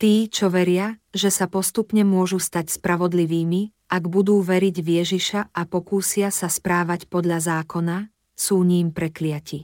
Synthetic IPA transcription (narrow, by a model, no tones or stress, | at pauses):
t̪iːt͡ʃɔʋɛɾɪaʒɛsapɔst̪upɲɛmʊɔʒust̪acspɾaʋɔd̪liʋiːmi | ʔaɡbud̪uːʋɛɾiɟʋɪɛʒiʃaapɔkuːsɪasaspɾaːʋacpɔd̪ʎazaːkɔna | suːɲiːmpɾɛklɪaci